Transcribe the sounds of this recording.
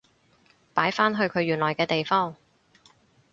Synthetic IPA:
paː˨˥jfaː˥nɦɵ˧ɥkʰɵ˨˧ɥjyː˨nlɔː˨˩jkɛː˧t̪e˨jfɔː˥ŋ

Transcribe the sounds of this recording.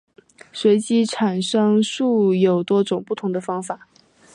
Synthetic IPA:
swe˧˥ɪt͡ɕi˧˥ʈ͡ʂʰa˨˩nʂɤ˥ŋʂu˥˩jo˨˩ʊt̪wɔ˥ʈ͡ʂʊ˨˩ŋpu˥˩t̪ʰʊ˧˥ŋd̪ə˧fɑ˥ŋfa˨˩˦

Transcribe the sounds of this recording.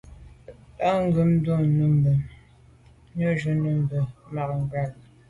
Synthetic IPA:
a˦ŋ̩˦ɡʉ˨˦m˦du˦˨nu˦m˨bə˨ | ɲo˦ʒu˨nu˦mbə˨ma˨k̚ŋ˨ɡa˦˨l

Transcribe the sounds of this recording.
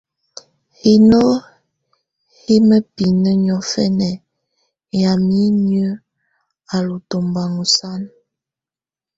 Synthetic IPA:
hi˨no˦ | hi˦mə˦pi˨nə˦ɲɔ˨fɛ˦nɛ˨ | ja˨mi˦n˦ə˦ | a˨lu˨to˨mba˨ŋu˨sa˦n

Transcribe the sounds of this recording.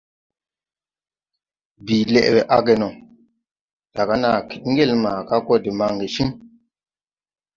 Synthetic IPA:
bi˨lɛ̰˨ʔbɛ˨ʔa˦ɡe˨nɔ˨ | d̥a˨ɡa˦na˨ki̥˨t̚ŋ˦ɡe˦˨lma˨ka˦ko˦di˨ma˨ŋɡe˨ʃi˦ŋ

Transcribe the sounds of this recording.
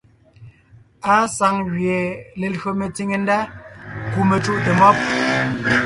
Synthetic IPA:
a˦sa˨˦ŋɣɥje˨le˨lɥo˨me˨ti˦ŋe˨n̩˦da˦ku˨me˨t͡ʃu˦ʔte˨mɔ˦p̚

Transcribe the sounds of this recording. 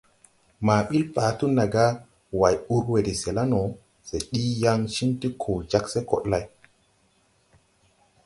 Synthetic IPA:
maː˨ɓi˦lpaː˨tu˦na˨ɡa˦ | wa˨ju˦ɾwe˨di˨se˨la˦no˨ | se˨ɗi˦ja˦ŋʃi˦nti˦kʰo˨d͡ʒa˦kse˦ko̰˨ɗla˦j

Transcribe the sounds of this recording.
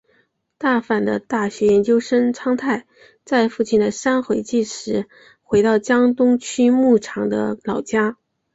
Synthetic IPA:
t̪a˥˩fa˨˩nd̪ə̰˦t̪a˥˩ɕɥɛ˧˥jɛ˧˥nt͡ɕjo˥ʊʂə˥ŋʈ͡ʂʰɑ˥ŋt̪ʰa˥˧ɪ | t͡sa˥˧ɪfu˥˩t͡ɕʰi˥˩nd̪ə˩ʂa˥nxwe˧˥ɪt͡ɕi˥˩ʂɻ̩˧˥ | xwe˧˥ɪt̪ɑ˥˩ʊt͡ɕjɑ˥ŋt̪ʊ˥ŋt͡ɕʰy˥mu˥˩ʈ͡ʂʰɑ˧˥ŋd̪ə̰˧lɑ˨˩ʊt͡ɕja˥

